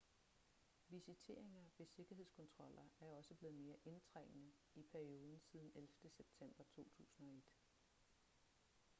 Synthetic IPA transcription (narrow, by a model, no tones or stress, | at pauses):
ʋisit͡sʰe̝ːɐ̰e̝ŋɐʋe̝se̝ɡ̥ɐɦe̝ð̰ˠskʰɒ̽nt͡sʰʁɒ̽l̰ɐæɐɒ̽səb̥le̝ːð̞̩ˠme̝ːɐʔe̝nt͡sʰʁeŋ̰nə | ipʰæɐio̝ːð̞ˠn̩siːð̞ˠn̩elfd̥əseb̥̚t͡sʰem̰b̥ɐt͡sʰo̝̰ːt͡sʰṵːsn̩ɒ̽e̝d̥